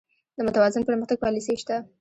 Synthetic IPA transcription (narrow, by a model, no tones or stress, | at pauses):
d̪əmʊt̪awɑzɪnpəɾməxt̪aɡ̚pɑliseʃt̪a